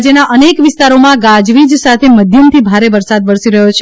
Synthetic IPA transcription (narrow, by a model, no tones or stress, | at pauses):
d͡ʒenaʔənekʋɪst̪aɾomãɡãd͡ʒʋid͡ʒsat̪ʰeməd̪ʱjəmt̪ʰibʱaɾeʋəɾsad̪ʋəɾsiɾəɦjot͡ʃʰ